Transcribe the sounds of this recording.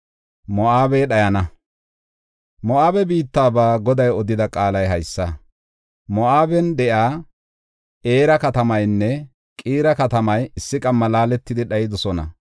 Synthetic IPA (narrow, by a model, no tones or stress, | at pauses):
mɔʔaːbeːɗɐjɐnɐ | mɔaːbɛbiːt̪ːaːbaːɡɔd̪ɐjɔd̪ɪd̪ɐkʼaːlɐjɦɐjsːɐ | mɔʔaːbɛnd̪ɛjaː | ʔe̞ːɾɐkɐt̪ɐmɐjnːɛ | kʼiːɾɐkɐt̪ɐmɐjɪsːɪkʼɐmːɐlaːlɛt̪ːɪd̪ɪɗɐjɪd̪ɔsɔnɐ̰